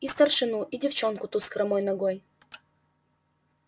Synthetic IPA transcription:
ist̪ɐrʂɨnuʔidʲɪft͡ɕonkʊt̪uskɾɐmojnɐɡoj

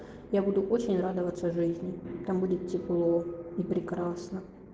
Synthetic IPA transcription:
jabud̪ʊʔot͡ɕɪnʲrad̪əvət̪səʐɨzʲnʲɪt̪ambudʲɪt̪tʲːɪplˠoɪpɾʲɪkɾasnə

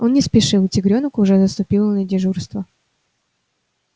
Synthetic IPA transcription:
onnʲɪspʲɪʂɨlˠtʲɪɡɾʲonəkʊːʐɛzəst̪ʊpʲilˠənədʲɪʐurst̪və

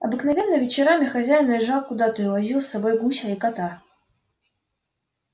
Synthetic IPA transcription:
ɐ̰bɨknɐvʲe̞nːəvʲɪt͡ɕɪɾamʲɪxɐzʲæjnəlʲɪʐalˠkʊd̪at̪əʊvɐzʲilˠsːɐbo̞jɡusʲaɪkɐt̪a

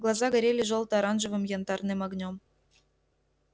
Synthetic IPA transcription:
ɡlˠɑzɑɡə̆ɾʲelʲĕʒolˠt̪ɤ̆ɑɾɑnʒə̆vɤ̆mjɑnd̪ɑrnemɑɡnʲom

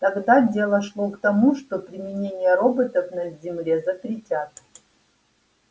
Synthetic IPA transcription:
t̪ɐɡd̪adʲe̞lˠəʂlˠokt̪ɐmuʂt̪opɾʲɪmʲɪnʲenʲɪjəɾobɨt̪əfnɐzʲɪmlʲezəpɾʲɪtʲat̪̚

